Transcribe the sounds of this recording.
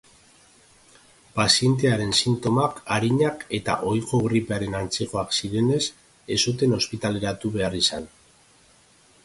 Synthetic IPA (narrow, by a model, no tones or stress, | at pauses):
pasie̞nt̪̬e̞aɾe̞nsint̪o̞makaɾiɲake̞t̪a̰ʔo̞jko̞ɣɾipeaɾe̞nant͡se̞ko̞aksiɾe̞ne̞s | e̞sut̪̬e̞no̞spit̪ale̞ɾat̪uβe̞arisan